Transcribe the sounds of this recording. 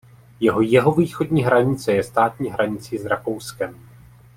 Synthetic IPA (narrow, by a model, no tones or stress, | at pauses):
jɛɦo̞jɛɦo̞viːxo̞dɲiːɦɾaɲɪt͡sɛjɛst̪aːt̪ɲiːɦɾaɲɪt͡siːzɾako̞wskɛm